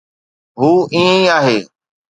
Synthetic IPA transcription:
ɦuːĩːẽĩaːɦeː

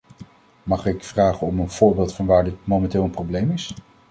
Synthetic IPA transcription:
mɑχɪkfraːχənɔmənv̥ʊːɹbɪːlˠtfɑnʋaːɹdɪtmomɛntɪːlˠənprowblejmɪs

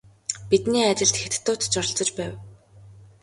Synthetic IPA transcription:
pit̪niːat͡ɕɪ̆ɬt̪xet̪ʰt̪ːʊːt̪t͡ɕɔr̆ɬt͡sɞ̆t͡ɕpæːw

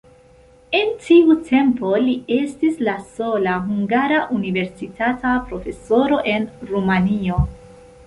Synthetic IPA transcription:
e̞ntʰiutʰe̞mpo̞lie̞stislaso̞laɦuŋɡaɾaʔunive̞ɾsitatapɾo̞fe̞so̞ɾo̞ʔe̞nɾumanio̞

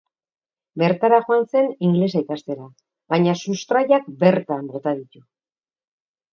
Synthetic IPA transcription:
be̞ɾt̪aɾaʝoanse̞niŋɡle̞s̬aikast̪e̞ɾa | βaɲasust̪ɾajak̚be̞ɾt̪ambot̪að̞it̪u

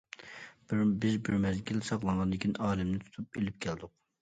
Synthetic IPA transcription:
b̥ɾbɪzbɪɾmɛzɡʲilsɑqlˠɑnʁɑnd̪ɪkʲʰinʔɑːlɪmnɪt̪ʰu̥t̪ʰupelɪp̚kʲʰɛld̪ʊq

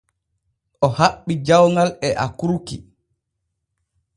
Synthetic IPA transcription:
ʔɔhaɓːid͡ʒawŋɡalɛʔa̰kuɾki

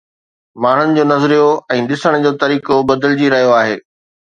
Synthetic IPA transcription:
maːɳ̤ʊnɪ̆d͡ʑoːnɐzɾijoɛ̃ːɗɪsəɽ̃d͡ʑoːt̪ɐɾiːkobɐd̪əld͡ʑiɾɐɦijoaːɦeː

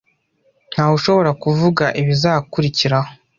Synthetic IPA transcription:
n̥haːhuʃo̞βo̞ɾakuvuɡaʔiβizaːkuɾiciɾaho

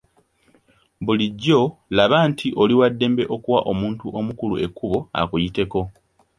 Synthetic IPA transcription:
βuliɟːo̞laβaːntʰiʔo̞liwadːe̞ːmbe̞ʔo̞kuwaʔo̞muːntuʔo̞mukuluʔe̞kːuβo̞a̰kujite̞ko̞

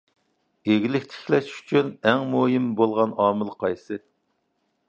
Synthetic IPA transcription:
eɡʲilɪkʲt̪ʰe̥kʲlɛʃy̥t͡ʃʰynɛŋmojimbolˠʁɑnɑːmɨlˠqʰɑjsɨ

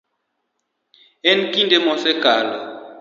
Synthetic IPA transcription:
enkʼindɛmɔsɛɡ̥ʱaːlɔ

